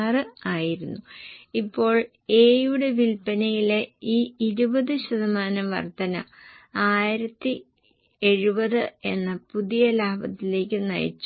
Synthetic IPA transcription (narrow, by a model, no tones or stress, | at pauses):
rɨaːjiɾunːuipːo̞ːɭ | e̞ːjuɽe̞ʋilpɐnɐjileiːiɾubɐðɨɕɐðɐmaːnɐmʋɐ̰rt̪ɐnɐ̰ | aːjiɾɐt̪ːi | e̞ɻubɐðɨe̞nːɐpuðijɐlaːbɐt̪ːile̞ːkʲːɨnɐ̰jḭt͡ɕː